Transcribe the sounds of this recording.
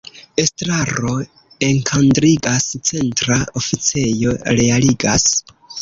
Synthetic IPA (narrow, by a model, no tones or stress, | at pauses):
e̞stɾaɾo̞ | e̞ŋkʰandɾiɡast͡se̞ntɾaofit͡se̞jo̞ɾe̞aliɡas